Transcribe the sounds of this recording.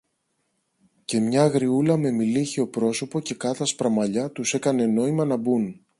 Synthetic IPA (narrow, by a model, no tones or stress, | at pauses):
ce̞mɲɐɣɾiulɐme̞miliçeo̞pɾo̞so̞po̞ce̞kɐt̪ɐspɾɐmɐʎɐt̪use̞kɐne̞no̞imɐnɐbun